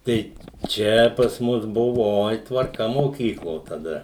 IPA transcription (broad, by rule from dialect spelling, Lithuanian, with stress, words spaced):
ˈtɐɪ ˈt͡ʃʲɛ pɐs ˈmʊs ˈbʊʋoː ˈoːɪ tʋɐrˈkɐ moːˈkʲiːklˠoː tɐˈdɐ